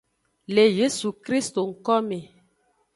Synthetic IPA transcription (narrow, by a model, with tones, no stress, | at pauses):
le˨je˦su˨kɾi˦st̪o˨ŋ̩˨kɔ˦me˨